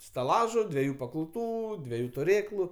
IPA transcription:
stɐˈlˠɑːʒʊ dʲʋʲɛˈjuː pɐkɐʊˈtuː dʲʋʲɛˈjuː tʊˈrʲeːklˠʊ

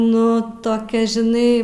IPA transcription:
nʊ toːˈkʲɛ ʒʲɪˈnɐɪ

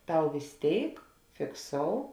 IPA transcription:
ˈtɐʊ ʋʲeːs ˈtʲeːɪk fʲɪkˈsoːʊ

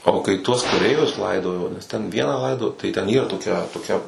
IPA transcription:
oː kɐɪ ˈtuɔs kɐˈrʲɛɪʋʲʊs ˈlˠɐɪdoːjoː nʲɛs tʲɛn ˈʋʲiɛnɑː ˈlˠɐɪdoːjoː tɐɪ tʲɛn ˈiːrɐ toːˈkʲɛ toːˈkʲɛ

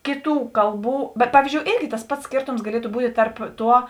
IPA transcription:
ˈkʲeːˌtuː ˈkɐlˠˌbuː bʲɛt ˈpɑːʋʲiːzʲd͡ʒʲoːʊ ˈeːrʲɡʲɪ tɐs ˈpɐts ˈsʲkʲeːrtoːms ɡɐˈlʲiɛtʊ ˈbuːtʲeː ˈtɐrp ˈtuɔ

